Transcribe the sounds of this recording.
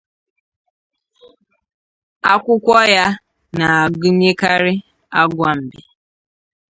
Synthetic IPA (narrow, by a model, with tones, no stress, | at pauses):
a˦kʷʊ˦kʷɔ˦ja˦ | na˨a˨ɡʊ˦ɲe˦ka˦ɾɪ˦ | a˦ɡʷa˦m̩˨bɪ˨